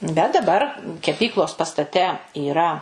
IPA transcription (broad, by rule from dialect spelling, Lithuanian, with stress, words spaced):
bʲɛt dɐˈbɐr kʲɛˈpʲiːklˠoːs pɐstɐˈtʲɛ iːˈrɐ